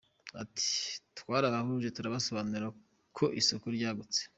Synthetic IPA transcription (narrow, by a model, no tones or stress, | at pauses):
a̰tʰi̥tkwaːɾaβahuʒetuɾaβaso̞βanuɾa | kʰoʔisokuɾɟaːɡut͡se̥